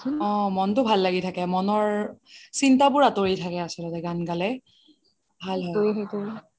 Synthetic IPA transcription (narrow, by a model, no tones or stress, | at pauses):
ɔ̃mɔntʊbʱalːaɡitʰakɛmɔnɔɹsintabʊɹatoɹijtʰakɛasɔlɔtɛɡanɡalɛ | bʱallɦɔjɦɔtoi